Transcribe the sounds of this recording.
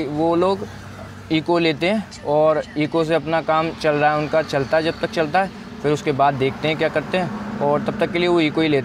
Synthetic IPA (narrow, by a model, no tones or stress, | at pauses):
ʋoloːɡ | iːkoleːt̪eɦɛ̃ː | ɔːɾiːkos̬eɐpnakaːmt͡ʃɐlɾaaɦɛʊnkat͡ʃɐlt̪aɦɛd͡ʒɐb̚t̪ɐk̚t͡ʃɐlt̪aɦɛː | fɪɾʊskebaːd̪ːeːkʰt̪eɦɛ̃kjaːkɐɾt̪eɦɛ̃ːɔːɾt̪ɐb̚t̪ɐkːelieʋoiːkoileːt̪